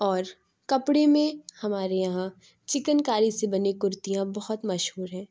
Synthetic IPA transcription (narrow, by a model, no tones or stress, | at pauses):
ɔːɾ | kɐpɽemẽhɐmaːɾejɐɦã | t͡ʃɪkənkaːɾisebɐnekʊɾt̪ijãbɐɦɔt̪mɐʃɦuːɾɦɛ̃ː